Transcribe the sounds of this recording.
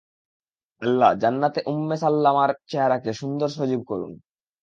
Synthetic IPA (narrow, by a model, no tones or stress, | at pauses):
əlːad͡ʑanːat̪eʔumːesalːamaɾt͡ɕeɦaɾakeʃund̪oɾʃod͡ʑib̚koɾṵn